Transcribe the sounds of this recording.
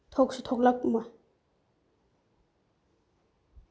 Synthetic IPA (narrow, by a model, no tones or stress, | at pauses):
t̪ʰɔk̚sut̪ʰɔk̚lak̚ma